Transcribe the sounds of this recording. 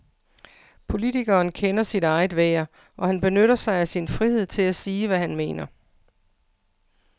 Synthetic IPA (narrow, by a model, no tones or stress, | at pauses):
pʰo̝lit͡sʰiɡ̥ɐːnkʰenɐsid̥ɑ̈ɪð̩ˠʋeːɐ | ʔɒ̽hænb̥e̝nøɾ̥ɐsɑ̈ɪæsinfʁihe̝ð̞̰ˠt͡sʰe̝læsiːʋæhænme̝̰ːnɐ